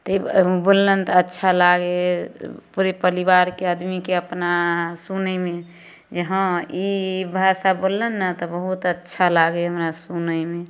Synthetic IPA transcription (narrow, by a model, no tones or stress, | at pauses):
t̪ɔibolːənt̪ɔətːʃʰalaɡe | puɾepəɾibaɾkead̪mikeəpnasunəjme | d͡ʒəɦə̃ibʱaʃabolːənːət̪ɔbəɦut̪ətːʃʰalaɡeɦəmɾasunəjme